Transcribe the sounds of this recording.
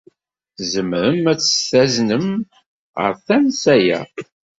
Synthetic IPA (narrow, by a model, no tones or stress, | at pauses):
zəmɾəmːæt͡sːə̥sθæznəm | ʁə̰ɾθænsæjæ̰